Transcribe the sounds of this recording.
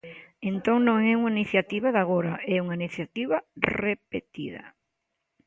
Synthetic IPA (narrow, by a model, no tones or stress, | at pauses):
ent̪oŋnõŋɛuŋainiθjat̪iβaðaɣoɾaɛuŋainiθjat̪iβɐrepḛt̪ḭðɐ̰